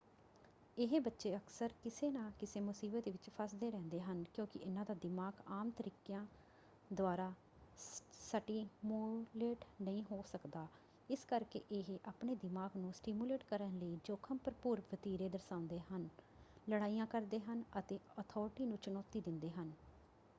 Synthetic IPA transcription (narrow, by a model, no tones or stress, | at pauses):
ɪɦebətːʃeːəksəɾkɪseːnãːkɪseːmʊsiːbət̪ʋɪt͡ʃpʰəsd̪eːɾɛ̃ːnd̪eːɦənkjõːkɪ̰ʔɪnãːd̪aːd̪ɪmaːɡaːmt̪əɾiːkjãː | d̪ʊaːɾaː | səʈiːmuleːʈnəĩːɦoːsəkd̪aː | ɪskəɾkḛːʔeɦʔaːpɳeːd̪ɪmaːɡnũːsʈiːmjuːleːʈkəɾənləiːd͡ʒoːkʰəmpəɾəpuːɾpʰət̪iːɾeːd̪əɾsãːʊ̃nd̪eːɦən | ləɽaːiːjãːkəɾd̪eːɦənət̪eːɔːt̪ʰɔːɾʈiːnũːt͡ʃənɔːt̪iːd̪ɪnd̪eːɦən